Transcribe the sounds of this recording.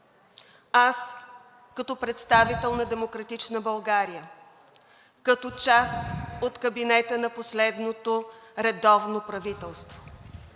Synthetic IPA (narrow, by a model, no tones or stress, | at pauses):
as | kɐt̪ɔpɾɛt̪st̪avit̪ɛlˠnɐd̪ɛmokɾɐt̪it͡ʃnəbɐlˠɡaɾijə | kɐt̪ɔt͡ʃast̪ot̪kəbinɛt̪ənɐposlɛd̪not̪oɾɛd̪ɔvnopɾɐvit̪ɛlˠst̪vo̥